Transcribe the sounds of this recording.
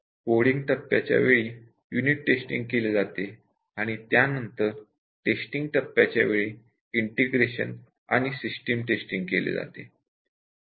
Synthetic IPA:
poɽiŋɡt̪əpːja̰t͡ɕja̰ʋeɭiː | juniʈːesʈḭŋɡ̚keled͡zat̪e | aɽ̃it̪janənt̪əɾ | ʈesʈiŋɡt̪əpːjat͡ɕja̰ʋeɭiː | iɳʈeɡɾeɕə̰n | a̰ɽ̃isisʈemʈesʈiŋɡkelḛd͡za̰t̪e

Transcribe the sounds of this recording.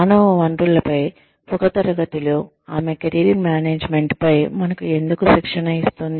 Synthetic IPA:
aːnɐʋɐɳʈulɐpɐj | ɔkɐt̪ɐɾɐɡɐt̪ilu | aːmekɐɾiɾinmjaːneːd͡ʒme̞ɳʈpɐjmɐnɐkue̞nd̪ukuʃikʂɐnɐist̪und̪i

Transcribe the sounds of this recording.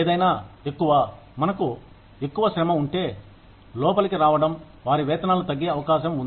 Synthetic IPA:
eːd̪ɐjnaːekːuʋɐ | mɐnɐku | e̞kːuʋɐʃɾɐmɐuɳʈe̞ː | lɔːpɐlikiɾaːʋɐɽɐm | ʋaːɾiʋɛːt̪ɐnaːlut̪ɐɡːeːɐʋɐkaːʃɐmund̪i

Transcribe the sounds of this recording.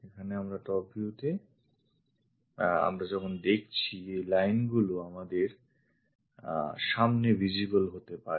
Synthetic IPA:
ekʰaneamɾat̪ɔpiut̪e | a̰mɾad͡ʑɔkʰond̪ek̚ʰt͡ɕʰielajnɡuloamad̪eɾ | ʃamnevid͡ʑibolɦot̪epaɾ

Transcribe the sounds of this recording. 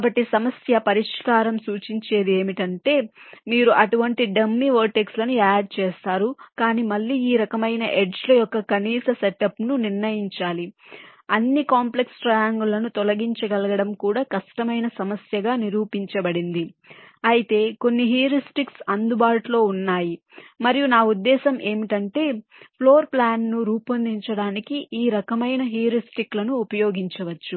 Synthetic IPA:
kːbɐʈːisɐmɐsjɐpɐɾiʂkaːɾɐmsuːt͡ʃiɲt͡ʃe̞ːd̪e̞ːmiʈɐɳʈe̞ːmiːɾuʔɐʈuʋɐɳʈiɖɐmːiʋoːʈekslɐnuaːɖ̚t͡ʃeːst̪aːɾukaːniːmɐlːiːiːɾɐkɐmɐjnɐʔeɖd͡ʒloːjɔkːɐkɐniːsɐseʈɐpnuniɾnɐjiɲt͡ʃaːliɐnːikaːmple̞ksʈɾɐjaːŋɡulɐnut̪ɔlɐɡiɲt͡ʃɐɡɐlɐɡɐɽɐmkuːɽaːkɐʂʈɐmɐjnɐsɐmɐsjɐɡaːniɾuːpiɲt͡ʃɐbɐɽind̪iɐjit̪e̞ːko̞nːiɦiɾisʈiksɐnd̪ubaːʈulo̞ːunːaːji | mɐɾijunaːud̪ːɛːsɐmʔe̞ːmiʈɐɳʈe̞ːpʰlo̞ːɾplaːnːuɾuːpɐnd̪iɲt͡ʃɐɽaːnikiʔiːɾɐkɐmɐjnɐɦijɐɾisʈiklɐnuːpɐjo̞ːɡiɲt͡ʃɐʋɐt͡ʃːu

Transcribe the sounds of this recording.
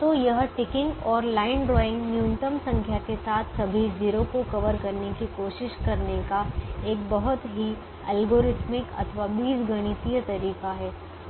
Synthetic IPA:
t̪oːjɐɦʈɪkɪ̃ŋɡɔːɾlaːɪnɖɾɔːɪ̃ŋɡnjuːnɪʈəmsɐ̃ŋkʰjakesaːt̪ʰsɐbʱiziːɾokokɐʋəɾkɐɾnekikoːʃɪʃkɐɾnekaeːk̚bɐɦʊt̪ɦi | ɛ̰ːlɡoːɾɪt̪mɪkɐ̰t̪ʰʋabiːsɡʱɐɽ̃it̪ijət̪ɐɾiːqaɦɛː

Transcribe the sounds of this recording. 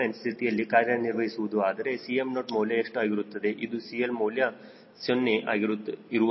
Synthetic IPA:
enst̪ʰit̪ijɐlːikaːɾjɐniɾʋɐɦisuʋud̪uaːd̪ɐɾe̞sijemnoʈmoːljaeʂʈuaːɡiɾut̪ːɐd̪e̞ʔid̪usijelmoːlja | sonːeʔa̰ːɡiɾuiɾu

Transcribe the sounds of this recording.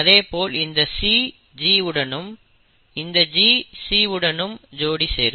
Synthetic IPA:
ɐðeːpoːlɪnd̪ɐsiː | d͡ʒiːʋɯɽɐnɯm | ɪnd̪ɐd͡ʒiːsiːʋɯɽɐnɯmd͡ʒoːɽisḛːɾɯ

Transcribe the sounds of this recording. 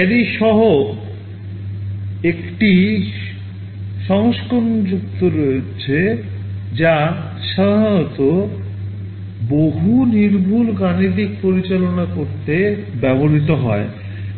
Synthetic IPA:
ɛɾiʃɔɦo | ekʈi | ʃɔŋʃkond͡ʑuk̚t̪oɾoet͡ɕʰe | d͡ʑa | ʃad̪ʱanɔt̪o | boɦuniɾbʱulɡanid̪ik̚poɾit͡ɕalonakoɾt̪ebɛboɾit̪̬oɦɔe

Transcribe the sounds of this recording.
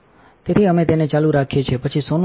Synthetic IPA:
t̪et̪ʰiəmet̪enet͡ʃaluɾakʰet͡ʃʰepət͡ʃʰisonũ

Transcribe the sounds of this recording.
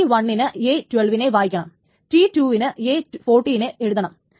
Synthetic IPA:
iʋɐɳːinɨeːtweɭʋine̞ʋaːjikʲːɐɳɐm | tituːʋinɨeːfoːrʈːijineeɻuðɐɳɐm

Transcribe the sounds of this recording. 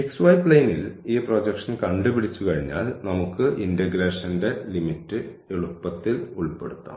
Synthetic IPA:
eksʋɐjpːɭejniliːproːd͡ʑekʂɐnkɐɳɖupiɽit͡ɕːukɐɻiɲːa̰ːlnɐmukːɨʔindɐɡɾeːʂɐnde̞limitːɨ | eɭupːɐt̪ːiluɭpe̞̰ɽut̪ːa̰ːm

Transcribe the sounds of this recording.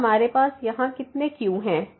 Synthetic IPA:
ɐmaːɾepaːsjɐɦãkɪt̪nekjũɦɛ̃ː

